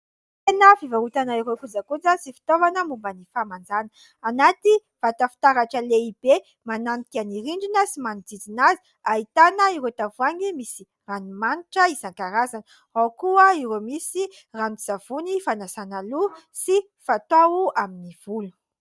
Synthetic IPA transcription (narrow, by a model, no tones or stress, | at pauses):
t̪enəfivaɾut̪anaiɾokud͡zakud͡zəsifi̥t̪ovanəmumbanifamand͡zanə | anat̪iv̥at̪afi̥t̪aɾaʈ͡ʂəleib̥e | mananikʲaniɾiɳɖ͡ʐinəsimanid͡zid͡zinazi | aɦit̪anəiɾet̪avuaŋimisi | ranumaniʈ͡ʂəizaŋkaɾazanə | awkuəiɾomisi | raniz̥av̥unifanasanalusi | fat̪auaminiv̥ulu̥